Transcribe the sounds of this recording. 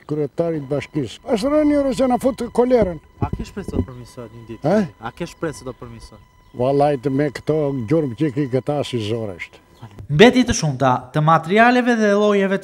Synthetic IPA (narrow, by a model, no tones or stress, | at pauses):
kɾɛt̪aɾit̪̚baʃkisəʃ̬ɾɛniɔɾɛt͡ʃanafut̪kɔlɛɾənakɛʃpɾɛsd̪ɔpəɾmisɔɛt̪ɲəd̪it̪ɛakɛʃpɾɛsɛd̪ɔpəɾmisɔɛt̪valˠajt̪mɛkə̥t̪ɔɟuɾmcɛkikət̪asizɔɾɛ̰ʃt̪ | mbɛt̪it̪əʃumt̪at̪əmat̪ɛɾialɛvɛðɛlˠɔjɛvɛt̪